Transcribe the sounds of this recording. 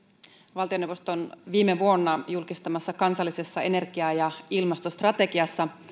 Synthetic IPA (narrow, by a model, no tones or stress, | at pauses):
ʋɑlt̪ionewʋo̞st̪oonʋiːmeʋuo̞nːɑjulkist̪ɑmɑsːɑkɑnsɑlːise̞sːɑe̞ne̞rɡiɑjɑilmɑst̪o̞st̪rɑt̪e̞kiɑsːɑ